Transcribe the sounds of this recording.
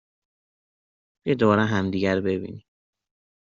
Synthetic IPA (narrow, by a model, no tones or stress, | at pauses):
b̥ed̪oɒɾæɦæmd̪iːɟæɾbebḭːni